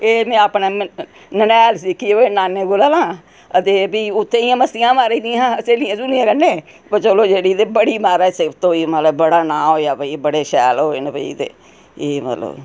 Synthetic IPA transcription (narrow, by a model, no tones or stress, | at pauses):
eːmɛ̃ːaːpneː | nənɛːlsiːkioeːnaːnːeːɡolaːlãː | ət̪eːbiːʊt̪ʰːẽːɪjãːməsɪjãːmaːɾeiːd̪ijãːt͡ʃeːlɪjãːsuːnijãːkəneː | pət͡ʃoloːd͡ʒeːɽiːd̪eːbəɽiːmaːɾɛːsebt̪õːiːmət̪ləbbəɽaːnãːɦoːaːbəiːbəɽeːʃɛːlɦoːḛnebəḭːt̪ḛː | eːmə̰t̪lə̰b